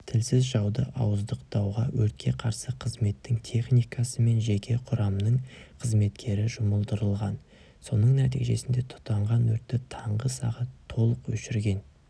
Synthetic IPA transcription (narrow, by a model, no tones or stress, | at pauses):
t̪ʰɪlsɪzʒɑwd̪ə̰ʔɑ̰wəzd̪əqt̪ʰɑwʁɑwɵɾt̪̚kʲʰe̞qʰɑɾsəqʰəzme̞t̪ːɪŋt̪ʰe̞χnijkɑsəme̞nʒe̞kʲe̞qʰʊɾɑmnəɴqʰəzme̞t̪kʲʰe̞ɾɪʒʊməlˠd̪əɾəlˠʁɑn | so̞nəɴnæt̪̬ijʒe̞sɪnd̪e̞t̪ʰʊ̥t̪ːɑɴʁɑnwɵɾt̪ːɪt̪ʰɑɴʁəsɑ̰ʁɑt̪ʰːo̞lˠəqwɵ̰ʃɪɾɡʲe̞n